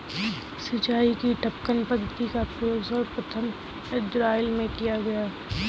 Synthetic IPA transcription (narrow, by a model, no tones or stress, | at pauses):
sɪt͡ʃaːikiʈɐp̚kənpəd̪ʱət̪ikapɾjoːzɔːɾpɾət̪ʰəm | ɪd͡ʒɾaːɪlmẽkijaɡɐjaː